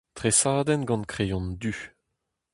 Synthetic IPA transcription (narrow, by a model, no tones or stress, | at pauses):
t̪ʁesaːd̪ɛnɡɑ̃nkχejɔ̃nd̪y